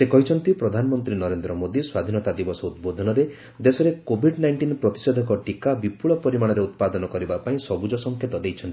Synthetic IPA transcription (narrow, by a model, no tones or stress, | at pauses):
sekɔɦit͡ʃʰɔnt̪ipɾɔd̪ʱanɔmɔnt̪ɾinɔɾend̪ɾɔmod̪iswad̪ʱinɔt̪ad̪ibɔsɔut̪̚bod̪ʱɔnɔɾe | d̪esɔɾekobʱiɖnajɳʈinpɾɔt̪i̥sɔd̪ʱɔkɔʈikabipuɭɔpɔɾimaɽ̃ɔɾeut̪̚pad̪ɔnɔkɔɾibapaĩsɔbud͡ʒɔsɔŋkʰjet̪ɔd̪ejt͡ʃʰɔnt̪i